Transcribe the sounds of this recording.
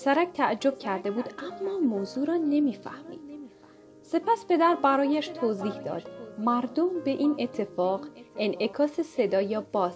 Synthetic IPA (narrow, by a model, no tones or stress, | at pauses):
sæɾæcʰt̪ʰæʔd͡ʒo̞b̥̚cʰæɾd̪e̞buːd̪æmːɒːmoːzuːɾɒːne̞miːfæ̰hmḭːd̪̥ | se̞pʰæspʰe̞d̪æɾbæɾɒːjæʃt̪ʰoziːhd̪ɒ̰ːd̪̥mæɾd̪ombe̞ʔiːnʔe̞t̪ʰːe̞fɒːɢe̞nʔe̞kʰɒːse̞se̞d̪ɒːjɒb̥ɒːs